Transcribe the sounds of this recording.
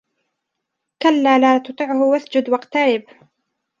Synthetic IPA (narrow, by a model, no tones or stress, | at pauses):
kalːaːlaːt̪ʊt̪ˤɨʕʊhʊwaθd͡ʒʊd̪wɑqt̪aɾɪb